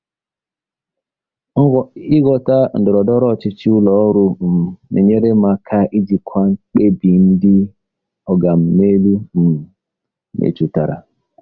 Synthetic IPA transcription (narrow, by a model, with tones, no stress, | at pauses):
ŋ̩˦ɡɔ˨i˦ɡɔ˨ta˦n̩˨dɔ˨ɾɔ˨dɔ˦ɾɔ˦˨t͡ʃi˦t͡ʃi˦u˦lɔ˨˦ɾu˨nḛ˨ɲe˦ɾe˦ma˨kʰa˦ʔi˦d͡ʒi˨kʰa˦ŋ̩˦k͡pe˦bi˨n̩˦di˦ | ɔ˨ɡa˨m̩˨me˦lu˦m̩˨˦ | mʔḛ˨t͡ʃu˨ta˨ɾa̰˨